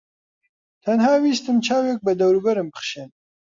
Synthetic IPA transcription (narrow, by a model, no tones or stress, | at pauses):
t̪ʰɐnhaːwiːst̪ɨmt͡ʃʰaːwjɛk̚bɨd̪ɐwɾubɐɾɨmbɨχʃɛn